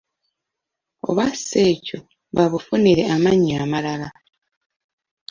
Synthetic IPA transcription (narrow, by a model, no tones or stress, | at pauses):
o̞̰βase̞ːco | βaβufuniɾe̞amaɲiamalala